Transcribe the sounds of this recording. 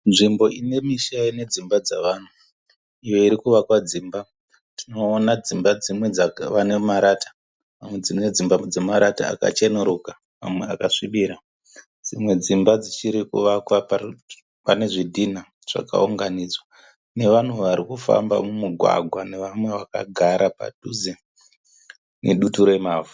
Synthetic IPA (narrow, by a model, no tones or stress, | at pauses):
nʐimbo̞ʔine̞miʃaine̞d͡zimbad͡zaʋaːn̤u | ij̞oiɾikuʋakwad͡ziːmba | tino̞ːnad͡zimbad͡zimwe̞d͡zʋanemaɾatḁ | mamwed͡zined͡zimbad͡zemaɾata̰a̰ka̰t͡ʃenuɾuka | ma̰mweakaʂiɓiɾa | d͡zimwe̞d͡zimbad͡zit͡ʃiɾikṵʋakwapa | pane̞ʐidʱina | ʐ̥a̰ka̰uŋɡanid͡zwa | ne̞ʋan̤uʋaɾikufa̰mba̰mumuɡʱwa̰ɡʱwane̞ʋamwe̞ʋaka̰ɡʱaɾʔapa̰tuze | nḛɗutuɾoemaːvu